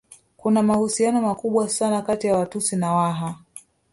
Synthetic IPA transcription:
kunamahusianɔmakuɓwasanakatijawatusinawaɦa

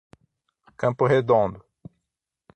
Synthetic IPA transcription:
kɐ̃pʊɦed̪õnd̪ʊ

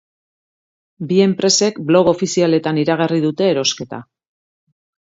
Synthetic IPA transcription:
bie̞mpɾe̞se̞kblo̞ɣo̞fisiale̞t̪aniɾaɣ̞ariðut̪e̞ːɾo̞ske̞t̪a̰

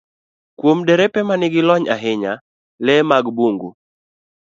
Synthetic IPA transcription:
kwomdɛɾɛpɛmanɪɡɪlɔɲaɦɪɲa | lɛmaɡboŋɡu

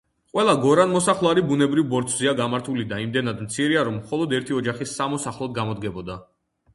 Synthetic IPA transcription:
qʼwɛlˠaɡɔɾanmɔsaχlˠaɾibunɛbɾivbɔɾt̪ʰʼziaɡamaɾt̪ʰulid̪aimd̪ɛnad̪mt̪sʰiɾiaɾɔmːχɔlˠɔd̪ɛɾt̪ʰiɔd͡ʒaχisːamɔsaχlˠɔd̪̚ɡamɔd̪ɡɛbɔd̪a

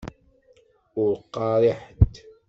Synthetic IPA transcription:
ʊɾqːɑɾˤɪħtt̪

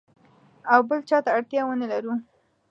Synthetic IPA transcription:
awbəlt͡ʃɑt̪aaɽt̪jɑwənalaɾu

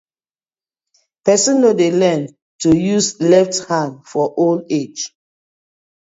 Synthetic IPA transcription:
pɛsɔ̃nːodelɛ̃n | tujuslɛfthãnfɔʔoled͡ʒ

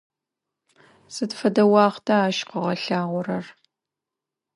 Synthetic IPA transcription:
sɨtfɐdɐwɑːχtʰaaːʃqəʁɐɬaːʁʷʊrɐr

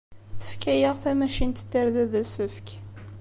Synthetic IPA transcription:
θə̥fkæjəʁθæmæʃint̪ə̥t̪ːəɾðæðæsəfk

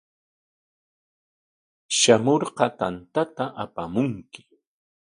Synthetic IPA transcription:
ʃamoɾqɑt̪ant̪at̪aʔapamʊŋkɪ̥

